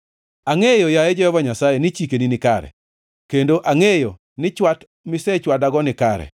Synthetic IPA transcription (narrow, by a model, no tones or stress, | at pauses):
aŋejojajed͡ʒɔɛvaɲasajenɪt͡ʃikeninɪkaɾɛ̰ | kendoʔaŋejo | nɪt͡ʃwat | mɪsɛt͡ʃwadaɡɔnɪkaɾɛ̰